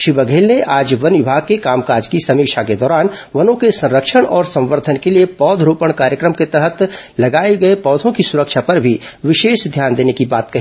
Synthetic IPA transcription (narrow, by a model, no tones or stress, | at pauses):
ʃɪbəɡʱeːlneʔaːd͡ʒʋɐnʋɪbʱaːɡ̚kekaːmkaːɾd͡ʒkisɐmiːʃaked̪ɔːɾaːnʋɐnõkesɐ̃nɾəkʃəɽ̃ɔːɾsɐ̃mʋəɾd̪ʱənkeliepɔːd̪ʱɾuːpəɽ̃kaːɾjəkɾəmket̪ɛɦət̪lɐɡaːeɡɐepɔːd̪ʱõkisʊɾəkʃʰapɐɾbʱiʋɪʃeːʃd̪ʱjaːnd̪eːnekibaːt̪̚kɐɦi